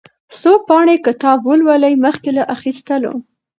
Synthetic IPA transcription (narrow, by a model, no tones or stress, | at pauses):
sopɑɳekət̪ɑbwəlwaləjməxkelaʔaxist̪əlo̰